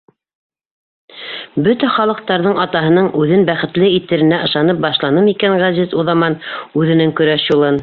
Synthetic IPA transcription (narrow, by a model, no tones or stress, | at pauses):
bɵt̪æχɑlˠɤ̆q̚t̪ɑɾðɤɴɑt̪ɑɦɤ̆nɤɴʉðɘnbæχɘ̆t̪lɘit̪ːɘ̆ɾɘ̆næʔɤ̆ʃlˠɑnɤp̚bɑʃlˠɑnɤmikæŋʁæzizuðɑmɑnʉðɘ̆nɘŋkɵ̆ɾæʃjulˠɤn